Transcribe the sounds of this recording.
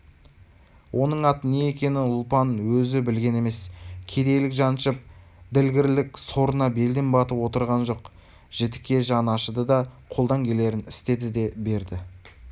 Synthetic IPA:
wʔo̞nəɴɑt̪ənejekʲe̞nɪʊlˠpɑnwɵzɪbɪlɡʲe̞ne̞me̞skʲʰe̞d̪e̞jlɪkʒɑnʃəp̚ | d̪ɪlɡʲɪɾlɪkso̞ɾənɑbe̞ld̪embɑt̪əpwo̞t̪əɾʁɑnʒo̞q | ʒ̥et̪ɪ̥kʲːe̞ʒɑnɑʃəd̪əd̪ɑqʰo̞lˠd̪ɑŋkʲʰe̞le̞ɾɪnɪst̪e̞d̪ɪd̪e̞be̞ɾd̪ɪ

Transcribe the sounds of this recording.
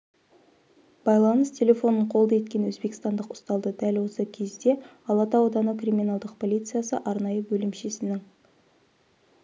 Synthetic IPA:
b̥ɑjlˠɑnəst̪ʲʰe̞lʲe̞fo̞nəɴqʰolˠd̪ɑe̞t̪̚kʲe̞nwɵzbe̞kʲɪ̥st̪ɑnd̪əqʊst̪ɑlˠd̪əd̪ælwo̞səkʲʰe̞zd̪e̞ | ɑlˠɑt̪ɑwod̪ɑnəkrʲimʲinɑlˠd̪əqpʰo̞lʲijt̪sɨjasə̰ʔɑɾnɑjəbɵlɪmʃe̞sɪnɪŋ

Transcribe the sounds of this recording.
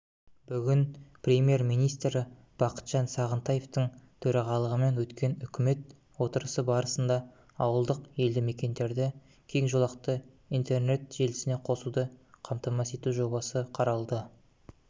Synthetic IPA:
b̥ʏɡʲɪnprʲemʲje̞rmijnijst̪ɾɪ | b̥ɑqə̥t̪ʒ̥ɑnsɑʁənt̪ɑje̞ft̪əɴt̪ʰɵɾɑʁɑlˠəʁəme̞nwɵt̪kʲe̞nʏkʲɪme̞t̪̚ | wo̞t̪əɾəsəbɑɾəsənd̪ɑ | ɑwəlˠd̪əqje̞ld̪ɪme̞kʲe̞nd̪e̞ɾd̪ɪ | kʲʰe̞jɪŋʒo̞lˠɑqt̪ə | ijnt̪e̞rne̞t̪ʒ̥e̞lɪsɪne̞qʰo̞sud̪əqʰɑmt̪ɑmɑse̞t̪uʒo̞bɑsəqʰɑɾɑlˠd̪ə

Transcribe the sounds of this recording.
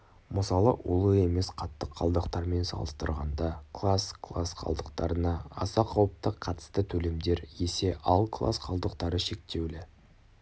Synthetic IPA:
məsɑlˠəʔolˠəe̞me̞sqʰɑt̪ːəqʰːɑ̰lˠd̪əqt̪ɑɾme̞nsɑ̰lˠəst̪əɾʁɑ̰nd̪ɑkʰlˠaskʰlˠasqʰɑ̰lˠd̪əq̚t̪ɑɾənɑɑ̰sɑqʰɑwəp̚t̪əqʰːɑt̪ə̥st̪ət̪ʰɵle̞md̪e̞ɾje̞se̞ʔɑlˠkʰlˠa̰sqʰɑlˠd̪əqt̪ɑɾəʃe̞k̚t̪e̞wlɪ

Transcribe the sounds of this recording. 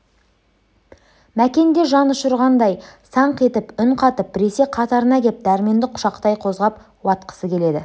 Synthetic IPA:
mækʲe̞nd̪e̞ʒɑnʊʃəɾʁɑnd̪ɑjsɑɴqe̞t̪ɪpʏɴqʰɑt̪əp̚bɪɾe̞se̞qʰɑt̪ɑɾənɑkʲʰep̚d̪æɾme̞nd̪ɪqʰʊ̥ʃɑqt̪ɑjqʰo̞zʁɑp | wɑt̪qə̥səkʲʰe̞le̞d̪ɪ

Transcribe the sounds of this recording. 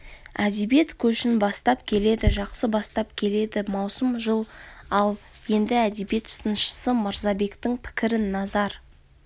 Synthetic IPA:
æd̪ebe̞t̪kʲʰɵʃɪnbɑst̪ɑp̚kʲʰe̞le̞d̪ɪʒɑqsəbɑst̪ɑpkʲʰe̞le̞d̪ɪmɑwsəmʒəlˠɑlˠ | je̞nd̪ɪæd̪ebje̞t̪sənəʃə̥səmɑɾzɑbe̞kt̪ɪŋpʰɪ̥kʲɪɾɪnːɑzɑɾ

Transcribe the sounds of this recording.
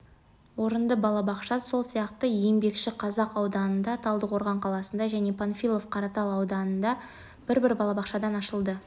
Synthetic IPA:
woɾənd̪əbɑlˠɑbɑqʃɑso̞lˠsijɑqt̪əje̞ŋbe̞kʃɪqʰɑzɑqɑwd̪ɑnənd̪ɑt̪ʰɑlˠd̪əqʰo̞ɾʁɑɴqʰɑlˠɑsənd̪ɑʒæne̞pʰonfʲilˠo̞fqʰɑɾɑt̪ɑlˠɑwd̪ɑnənd̪ɑ | b̥ɪɾbɪɾbɑlˠɑbɑqʃɑd̪ɑnɑʃəlˠd̪ə

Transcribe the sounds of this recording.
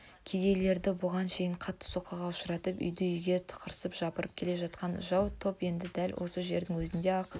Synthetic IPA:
kʲʰed̪e̞jle̞ɾd̪ɪbʊʁɑnʃe̞jɪɴqʰɑt̪ːə̥so̞qːɑʁɑʊʃəɾɑt̪əpʏ̰jd̪ɪʏjɡʲe̞t̪ʰə̥qʰəɾsəpʒ̥ɑpəɾəp̚kʲʰe̞le̞ʒɑt̪̚qɑnʒɑwt̪ʰo̞pje̞nd̪ɪd̪ælwʔo̞səʒe̞ɾd̪ɪŋwɵzɪnd̪eɑq

